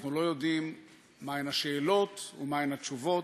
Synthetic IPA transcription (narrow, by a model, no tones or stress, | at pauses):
χnulo̞jo̞dimː | aenaʃe̞ːlo̞tumaenat͡ʃuvo̞